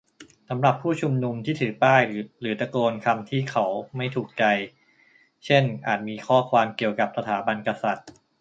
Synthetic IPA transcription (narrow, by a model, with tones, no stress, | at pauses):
sa˩˦mɾa˨˩pʰːuː˥˩t͡ɕʰu˧mnu˧mt̪ʰiː˥˩t̪ʰɯː˩˦paː˥˩jɾɯː˩˦t̪a˧koː˧nkʰa˧mt̪ʰiː˥˩kʰa˦˥wma˥˩jt̪ʰuː˨˩k̚t͡ɕa˧j | t͡ɕʰe˥˩nʔaː˨˩t̪̚miː˧kʰɔː˥˩kʰwaː˧mki˨˩əwka˨˩p̚sa˧t̪ʰaː˩˦ba˧nka˧sa˨˩t̪̚